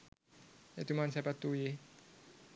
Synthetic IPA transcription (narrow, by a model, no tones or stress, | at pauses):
et̪umansɛpat̪uje